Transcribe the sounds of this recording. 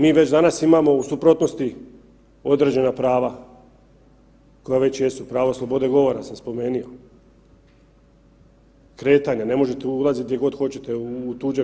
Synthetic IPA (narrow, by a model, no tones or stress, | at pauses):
miːʋe̞t͡ɕd̪anasimamo̞usupɾo̞t̪no̞st̪i | o̞d̪ɾe̞ːd͡ʑe̞napɾaːʋa | ko̞jaʋe̞t͡ɕje̞supɾaːʋoslˠo̞bo̞d̪e̞ɡo̞ʋo̞ɾasamspo̞me̞ːnio̞ | kɾe̞ːt̪aɲane̞mo̞ʒet̪eulˠazit̪̚d̪jeɡo̞d̪xo̞t͡ɕet̪euːt̪uːd͡ʒe